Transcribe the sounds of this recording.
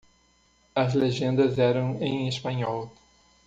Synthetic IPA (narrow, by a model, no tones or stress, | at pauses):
ɐzleʒẽnd̪ɐzɛɾɐ̃w̃ẽj̃espɐ̃ɲɔw